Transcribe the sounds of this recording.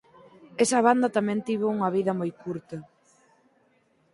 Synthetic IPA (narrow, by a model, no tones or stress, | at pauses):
ɛsɐβ̞and̪ɐt̪amɛ̃nt̪iβ̞ouŋɐβ̞iðɐmojkuɾt̪ɐ